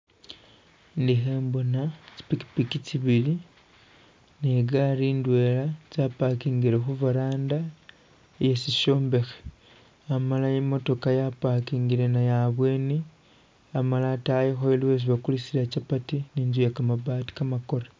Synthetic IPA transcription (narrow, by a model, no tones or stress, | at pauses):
ndixeːmbo̞naci̥piki̥pikit͡ʃiβiɾi | neɡaɾiːndwe̞ːlat͡sapakiːŋɡiɾexuvaɾaːnda | jesiʃoːmbexe̥ | amalajimo̞to̞kajapakiːŋɡiɾe̞najaβwe̞ːni | amalatajexoeluwes̬iβakulisilacapatiniːnzujekamaβaːti̥kamako̞ɾa